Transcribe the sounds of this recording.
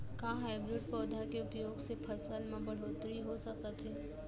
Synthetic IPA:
kaɦaːɪbɾɪɖ̚pɔːd̪ʱakeʊpjoːɡsepʰɐsəlmẽbɐɽ̤oːt̪ɾiɦosɐkət̪ɦɛː

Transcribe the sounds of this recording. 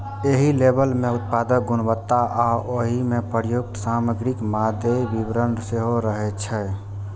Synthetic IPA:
eɦilebəlmẽut̪̚pad̪əkɡʊnbət̪ːaʔaʔoɦimepəɾjuk̚t̪saməɡɾikmad̪ʱebibɾənseɦoɾəɦɛt͡ʃʰɛ

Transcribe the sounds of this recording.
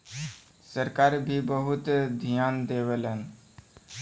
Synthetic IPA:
səɾkaːɾbʱibəɦʊt̪d̪ʱijaːnd̪eʋelən

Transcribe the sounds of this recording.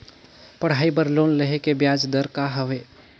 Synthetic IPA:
pəɽ̤aibəɾloːnləɦekebjad͡ʒd̪əɾkaɦəʋe

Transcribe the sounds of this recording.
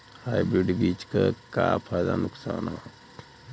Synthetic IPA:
haːjbɾiɖbiːt͡ʃkakaːpʰaːd̪anʊksaːnɦa

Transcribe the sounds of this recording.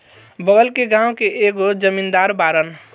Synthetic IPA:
bəɡəlkeɡãʊ̃keʔeɡod͡ʒəmind̪aɾbaɾən

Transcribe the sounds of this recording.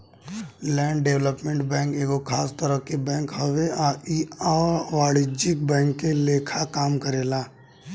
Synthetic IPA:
lɛ̃ːɳɖɖeʋləpmẽɳʈbɛ̃ːŋkeːɡokʰaːst̪əɾəkibɛ̃ːŋkɦɐʋeaːʔiaʋaːɽɪd͡ʒɪk̚bɛ̃ːŋkːeleːkʰakaːmkəɾeːlaː

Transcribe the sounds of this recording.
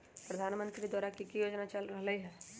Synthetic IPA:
pɾɐd̪ʱaːnmə̃nt̪ɾid̪aːɾakikijoːd͡ʒnat͡ʃɐlɾəɦlɐɦiɦɛː

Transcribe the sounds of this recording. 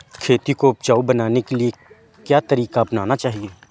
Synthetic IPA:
kʰeːt̪ikoʊp̚t͡ʃaːubənaːnekelie | kjaːt̪ɐɾiːkapnaːnat͡ʃaːɦieː

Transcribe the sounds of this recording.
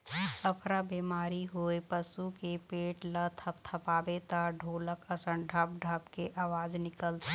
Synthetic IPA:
əpʰɾabeːmaːɾiɦoepəsukepeːʈlət̪ʰəp̚t̪ʰəpaːbet̪aɖʱoːləkəsə̃ɳɖʱəp̚ɖʱəbkeʔaːʋaːd͡ʒnɪkəlt̪

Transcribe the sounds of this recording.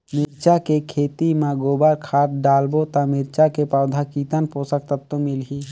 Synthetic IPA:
mɪɾt͡ʃakekʰeːt̪imãɡoːbaɾkʰaːt̪̚ɖaːlbot̪ãmɪɾt͡ʃakepaʊd̪ʱakiːt̪ənposək̚t̪ət̪ːõmɪlɦi

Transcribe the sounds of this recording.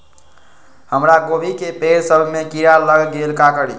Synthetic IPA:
həmɾaɡobʱikepeɾsəbʱmekiɾaləɡɡelkakəɽi

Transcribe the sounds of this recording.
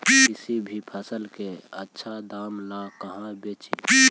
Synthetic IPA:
isibʱipʰəsəlkeətːʃʰad̪amnakəɦãbet͡ʃi

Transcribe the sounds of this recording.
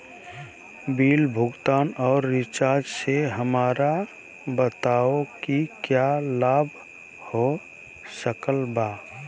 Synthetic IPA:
biːlbʱʊɡt̪aːnɔːɾːɪt͡ʃaːd͡ʒseɦəmaːɾa | bət̪aokikjalaːbʱ | ho | səkəlbaː

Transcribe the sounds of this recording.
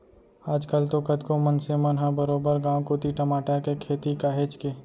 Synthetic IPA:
aːd͡ʒkəlt̪okət̪komənsemɐnɦãbəɾoːbəɾɡãːwkoːt̪iʈəmaːʈakekʰeːt̪ikaːɦet͡ʃkeː

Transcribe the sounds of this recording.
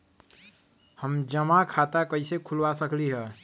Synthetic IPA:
həmd͡ʒəmakʰat̪akəɪsekʰulʋasəkliɦə

